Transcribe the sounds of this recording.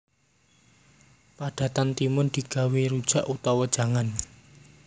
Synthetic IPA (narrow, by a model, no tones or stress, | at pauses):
paɖ̥a̤t̪ant̪imʊnd̪̥i̤ɡ̥a̤weɾud̥ʒ̥a̤ʔut̪ɔwəd̥ʒ̥a̤ŋan